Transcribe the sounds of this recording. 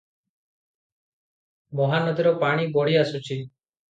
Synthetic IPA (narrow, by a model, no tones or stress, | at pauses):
mɔɦanɔd̪iɾɔpaɽ̃ibɔɽ̤iasut͡ʃʰi